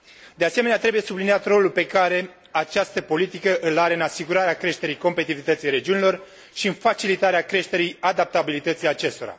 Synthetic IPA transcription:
d̪e̞ase̞meneat̪ɾe̞buje̞subliniat̪ro̞lulpe̞kaɾe̞ | at͡ʃast̪əpo̞lit̪ikəʔɨlaɾeɨnasiɡuɾaɾeakɾe̞ʃt̪e̞ɾijko̞mpe̞t̪ivit̪ət̪sijɾe̞d͡ʒiunʲilo̞r | ʃiɨnfat͡ʃilit̪aɾeakɾe̞ʃt̪e̞ɾijad̪ap̚t̪abilit̪ət̪sijat͡ʃe̞st̪o̞ɾa̰

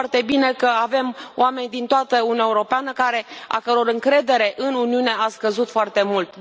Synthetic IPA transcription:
rt̪e̞bine̞kəave̞mo̰ame̞nʲd̪int̪oat̪əuninaeuɾo̞peanəkaɾe̞a̰kəɾo̞ɾɨŋkɾe̞d̪e̞ɾe̞ʔɨnuniuneaskəzut̪foart̪e̞mult̪

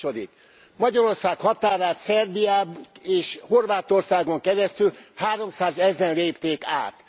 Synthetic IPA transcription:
o̞d̪ik | mɒɟɒɾo̞rsaːkhɒt̪aːɾaːt̪sɛrbijaːbeːʃho̞rvaːt̪o̞rsaːɡo̞ŋkɛɾɛst̪ylhaːɾo̞msaːzɛzɛnleːpt̪eːkaːt̪

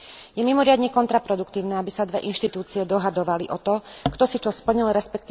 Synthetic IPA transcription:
jɛmimɔɾɪad̪ɲɛkɔnt̪ɾapɾɔd̪ukt̪iːʊnɛabisad̪ʋɛʔinʃt̪it̪uːt͡siɛd̪ɔɦad̪ɔʋaliʔɔt̪ɔkt̪ɔsit͡ʃɔspl̩ɲilɾɛspɛk̚t̪i

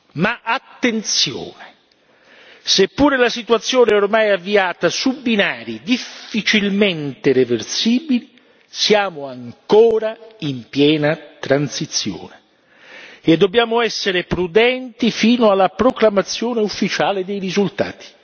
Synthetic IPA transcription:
maʔat̪ːent̪sjo̰ːne | sepːuːɾelasit̪uat̪sːjoːnɛormajavːiaːt̪asubːinaːɾid̪ifːit͡ʃilment̪ereversiːbili | sjaːmoaŋkoːɾaimpjɛːnat̪ɾansit̪sːjo̰ːne | ed̪ːobjaːmoɛsːeɾepɾud̪ɛnt̪ifiːnoalːapɾoklamat̪sːjoːneufːit͡ʃaːled̪ejɾizult̪a̰ːt̪i̥

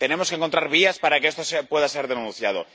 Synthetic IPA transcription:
t̪ene̞mo̞skeŋkont̪ɾaɾβ̞iaspaɾakeest̪osepwe̞ðase̞ɾðenũnθjað̞o̰

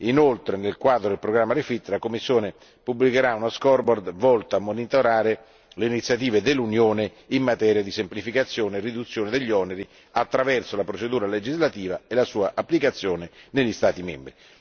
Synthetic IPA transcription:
inolt̪ɾenelkwaːd̪ɾod̪elpɾoɡɾamːaɾefit̪ːlakomːisːjoːne | pubːlikeɾaunaskɔrbɔrd̪vɔlt̪aamːonit̪oɾaːɾe | leinit̪sːjat̪iːved̪elːunjoːne | imːat̪ɛːɾjad̪isemplifikat̪sːjoːneːrːid̪ut̪sːjoːned̪eʎːɔneɾi | at̪ːɾavɛrsolapɾot͡ʃed̪uːɾaled͡ʒizlat̪iːvaelasuːaʔapːlikat̪sːjoːneneʎːist̪aːt̪imɛ̰mbɾi

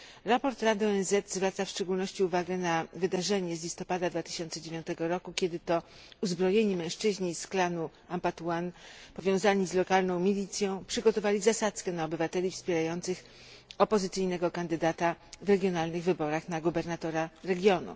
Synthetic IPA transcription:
ɾapɔɾt̪ɾad̪ɘɔɛnzɛt̪zvɾat̪safʂt͡ʂɛɡulnɔɕt͡ɕiuvaɡɛnavɘd̪aʐɛɲɛzlʲist̪ɔpad̪ad̪vat̪ɘ̥ɕɔnt̪sɛd͡ʑevʲjɔ̃nt̪ɛɡɔɾɔkukʲjɛd̪ɘt̪ɔ | uzbɾɔjeɲimɛ̃w̃ʂt͡ʂɘʑɲisklanu | ampat̪wanpɔvʲjɔ̃w̃zaɲizlɔkalnɔ̃w̃mʲilʲit̪sʲjɔ̃w̃pʂɘɡɔt̪ɔvalʲizasat̪skɛnaɔbɘvat̪ɛlʲifspʲjɛɾajɔnt̪sɘx | ɔpɔzɘt̪sɘjnɛɡɔkand̪ɘd̪at̪avɾɛɡʲjɔnalnɘɣvɘbɔɾaxnaɡubɛɾnat̪ɔɾaɾɛɡʲjɔnṵ

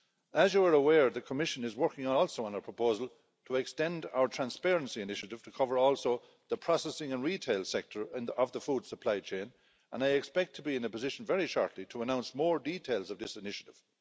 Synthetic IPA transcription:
əzjəə˞əwɛɹðəkʰəmɪʃə̃nɪzwɜ˞kɪ̃ŋəɔlˠsoʊə̃nəpʰɹ̥əpʰoʊzəlˠ | tʰəɛkstɛ̃nda̰ʊə˞tʰɹ̥æ̃nspɛɹə̃nsiɨnɪʃəɾɪv̥tʰəkʰʌvə˞ɔlˠsoʊ | ðəpʰɹ̥ɑsɛsɪ̃ŋə̃nɹitʰeɪlˠsɛk̚tʰə˞ɪ̃nəvðəfuːd̥səpʰl̥aɪt͡ʃʰẽɪ̃n | ʔə̰̃naɪɛkspɛk̚tʰəbiɪ̃nəpəzɪʃə̃n̩vɛɹiʃɔ̰ɹtʰlitʰəənãʊ̃nsmɔːɹditʰeɪlˠzʌvðɪsɪnɪʃəɾɪv̥

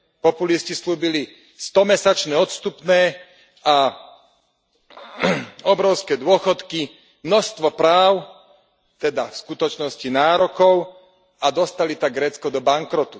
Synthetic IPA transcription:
pɔpuliscisluːbili | st̪ɔmɛsat͡ʃnɛɔt̪st̪upnɛː | a | ɔbɾɔʊskɛːd̪ʊɔxɔt̪ki | mnɔst̪ʋɔpɾaːʊ | t̪ɛd̪afskut̪ɔt͡ʃnɔscinaːɾɔkɔʊ | ad̪ɔst̪alit̪aɡɾɛːt͡skɔd̪ɔbaŋkɾɔt̪u

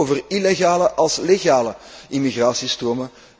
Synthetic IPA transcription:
oːvərileɣaːləʔɑlˠsleɣaːləʔimiɣraːsistroːmə

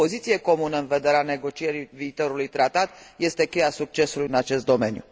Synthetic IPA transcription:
o̞zit̪sije̞ko̞munəɨnve̞d̪e̞ɾeane̞ɡo̞t͡ʃije̞ɾiviːt̪o̞ɾulujt̪ɾat̪at̪je̞st̪e̞kʲe̞jasuk̚t͡ʃe̞sulujɨnat͡ʃe̞st̪̚d̪o̞me̞njṵ

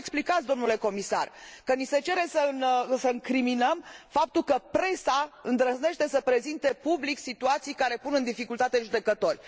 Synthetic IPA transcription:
eksplikat̪sʲd̪o̞mnule̞ko̞misa̰rkənise̞t͡ʃe̞ɾe̞səɨnsəɨŋkɾiminəmfap̚t̪ukəpɾe̞saɨnd̪ɾəzne̞ʃt̪e̞səpɾe̞zint̪e̞publiksit̪uat̪sijkaɾe̞punɨnd̪ifikult̪at̪eʒud̪ekət̪o̞rʲ

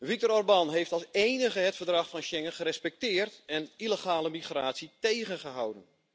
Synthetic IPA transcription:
ʋik̚tɔɾɔrbɑnɦejftɑlˠsejnəχəɦətfərdrɑχfɑnʃɛŋəχəɾɛspɛk̚tɪːrtɛniləχaːləmiχraːtsitejχənχəɦawdən

